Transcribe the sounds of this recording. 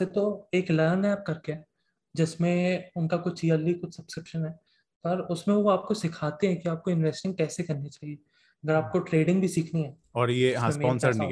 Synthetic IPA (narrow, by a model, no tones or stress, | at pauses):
set̪oeːklajənɦɛaːp̚kɐɾkeɦɛː | d͡ʒɪsmẽʊnkakʊt͡ʃiːaːlːikʊt͡ʃʰsɐb̥skɾɪkʃənɦɛː | pɐɾʊsmẽʋoaːp̚kosɪkʰaːt̪eɦɛ̃kiaːp̚koɪ̃nʋeːsʈɪ̃ŋɡ̚kɛːsekɐɾnet͡ʃaːɦie | ɐɡɐɾaːp̚koʈɾeːɖɪ̃ŋɡbʱisiːkʰniɦɛː | ɔːɾjeɦãmeɔːnsəɾnḭ̃